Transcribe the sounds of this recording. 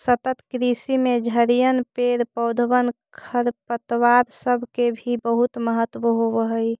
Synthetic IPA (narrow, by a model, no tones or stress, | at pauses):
sət̪ət̪kɾisimed͡ʒʱəɾijənpeɾpəwd̪ʱbənkʰəɾpət̪ʋaɾsəbʱkebʱibəɦut̪məɦət̪ʋəɦobəɦəj